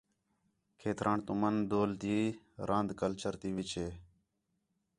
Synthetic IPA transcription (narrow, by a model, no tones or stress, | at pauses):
kʰeːt̪ɾʔãːɳt̪ʊmənd̪oːlt̪iː | ɾʔãːnd̪kəlt͡ʃəɾt̪iːʋɪt͡ʃʰeː